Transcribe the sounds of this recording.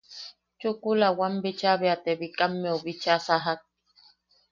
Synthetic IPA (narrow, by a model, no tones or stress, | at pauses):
t͡ʃukulawambit͡ʃabɛat̪ɛbikʼamːeɔbit͡ʃasaɦat̚